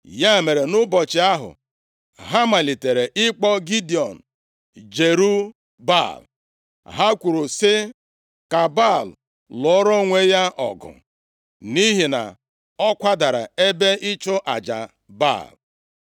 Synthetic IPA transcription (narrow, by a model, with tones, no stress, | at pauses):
ja˦˨me˨ɾe˨nʊ˦bɔ˨t͡ʃɪ˨a˦ɦʊ̰˨ | ɦa˦ma˨li˨te˨ɾe˨ʔɪ˦k͡pɔ˦ɡi˦di˨ɔ˨n̩˨ | d͡ʒe˨ɾu˦ | ba̰˦˨l | ɦa˦kʷu˨ɾu˨sɪ˦ | ka˨ba˦˨l | lɔ˨ɔ˦ɾɔ˦ŋʷe˦ja˦ʔɔ̰˨ɡʊ̰˨ | ni˦ɦi˨na̰˨ | ɔ˦kʷa˦da˨ɾa̰˨e˦be˦ɪ˦t͡ʃʊ˦ʔa˨d͡ʒa̰˨ | ba̰˦˨l